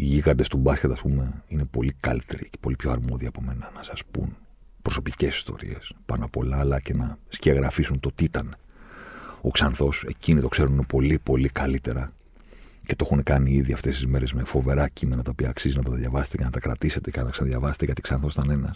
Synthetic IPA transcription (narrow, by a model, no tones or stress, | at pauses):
iʝiɣɐd̪e̞st̪ubɐscet̪ɐspume̞ine̞po̞likɐ̰lit̪e̞ɾḭce̥po̞lipço̞ɐɾmo̞ðiɐpo̞menɐnɐsɐspṵn | pɾo̞so̞pice̞si̥st̪o̞̰ɾḭe̞spɐnɐpo̞lɐːlɐce̞nɐsceɐɣɾɐfisunt̪ot̪iit̪ɐne | o̞ksɐnθo̞se̞cinit̪o̞kse̞ɾuninopo̞lipo̞likɐlit̪e̞ɾɐ | ce̞t̪oe̞xunekɐniiðiɐft̪e̞st̪izme̞ɾe̞zme̞fo̞ve̞ɾɐcime̞nɐt̪ɐopiɐːksizinɐt̪ɐðjɐvɐset̪ecenɐt̪ɐkɾɐt̪ise̞t̪ecenɐt̪ɐksɐnɐðjɐvɐset̪ecet̪iksɐnθosit̪ɐne̞nɐs